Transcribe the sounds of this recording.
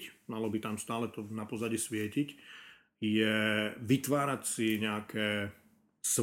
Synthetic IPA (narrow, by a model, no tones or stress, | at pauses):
cmalɔbit̪amst̪aːlɛt̪ɔnapɔzaɟisʋɪɛcic | jɛʋit̪ʋaːɾacsiɲɛakʰɛː | s